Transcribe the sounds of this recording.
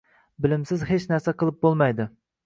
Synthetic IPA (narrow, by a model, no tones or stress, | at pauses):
bɪlɪmsɪzhet͡ʃnæɾsæqʰəlˠɨp̚bolˠmɑjd̪ɪ